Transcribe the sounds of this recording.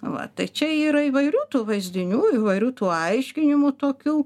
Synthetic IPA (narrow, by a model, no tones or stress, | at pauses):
ʋɐ̰t̪ɐɪt͡ʃʲɛiːɾɐiːʋɐɪɾʲuːt̪uːʋɐɪzʲd̪ʲɪnʲuːiːʋɐɪɾʲuːt̪uːɐɪʃʲkʲɪnʲɪmʊt̪oːkʲuː